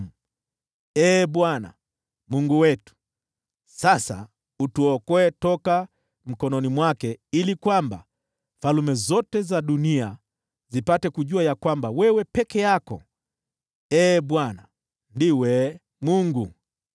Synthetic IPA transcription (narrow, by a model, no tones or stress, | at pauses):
ɛːɓwana̰ | muŋɡuwɛtu̥ | sasa̰ | utuɔkɔɛtɔka | m̩kɔnɔnimwakɛilikwamba̰ | falumɛzɔtɛzaɗunia | zipatɛkuʄuajakwambawɛwɛpɛkɛjakɔ̰ | ɛːɓwana | ndiwɛ | muŋɡu